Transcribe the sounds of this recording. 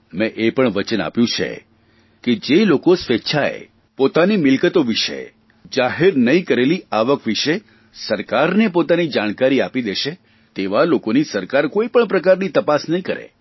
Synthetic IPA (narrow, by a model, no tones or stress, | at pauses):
mɛ̃ʔepəɳʋət͡ʃəna̰pjũt͡ʃʰḛ | ked͡ʒelokosʋetːʃʰaḛ | pot̪animɪlkət̪oʋiʃḛ | d͡ʒaɦeɾnəĩkəɾeliaʋəkʋiʃe | səɾkaɾnepot̪anid͡ʒaɽ̃kaɾiapid̪eʃe | t̪eʋalokonisəɾkaɾkoipəɳpɾəkaɾnit̪əpasnəĩkəɾḛ